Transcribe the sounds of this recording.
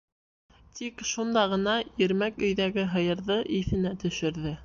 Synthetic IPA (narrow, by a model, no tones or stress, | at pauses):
t̪ʰikʃund̪ɑʁɤ̆nɑjɘ̆ɾmækɵ̆jðæɡɘɦɤ̆jɤ̆ɾðɤʔiθɘ̆næt̪ɵ̆ʃɘ̆ɾðɘ